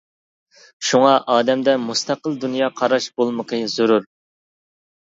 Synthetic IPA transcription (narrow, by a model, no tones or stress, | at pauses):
ʃuŋɑʔɑːd̪ɛmd̪ɛmust̪ɑqəlˠd̪unjɑːqʰɑɾɑʃbolˠməqʰəz̥uɾuɾ